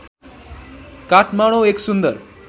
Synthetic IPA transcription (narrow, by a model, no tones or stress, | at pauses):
kaʈmaɽ̃oeksund̪əɾ